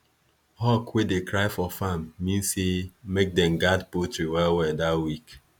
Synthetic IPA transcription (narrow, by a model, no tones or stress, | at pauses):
hɔkwedekɾaɪfɔfamːĩnsemek̚dɛ̃mɡadpotɹiwɛlwɛdatwik